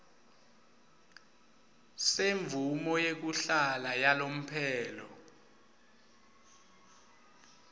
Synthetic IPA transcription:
seɱb̪vʱumɔjek̬uɬalajalom̩pʰɛːlɔ

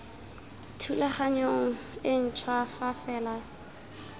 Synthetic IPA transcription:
tʰulaχaɲoŋ̩ɪn̩t͡ʃʰwafafɛːla

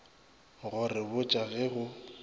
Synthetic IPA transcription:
ɣʊrɪbʊt͡ʃʼaɣɛɣʊ

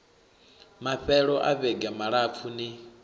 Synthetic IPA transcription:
maɸɛɺɔʔaβɛɡamaɺap̪fʰuni

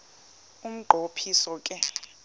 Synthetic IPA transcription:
um̩ɡ͡ǃʱopʰisɔkʼɛ

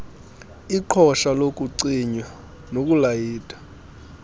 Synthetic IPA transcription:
iǃʰɔʃalokʼuǀiɲwa | nok̬ʼulajiːtʼḁ

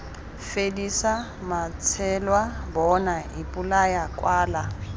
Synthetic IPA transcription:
fedisa | mat͡sʰɛlwabɔnaipʼulajakʼwaːla

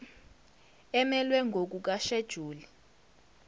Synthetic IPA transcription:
ɛmɛlwɛŋɡʱok̬uk̬aʃed̥ʒ̥ʱuːli

